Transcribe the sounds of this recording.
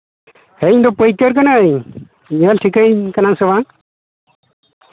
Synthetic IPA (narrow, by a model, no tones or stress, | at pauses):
heiɲd̪ɔpəjkəɾk̬anaəɲ | ɲəlʈʰikəɲkanansəban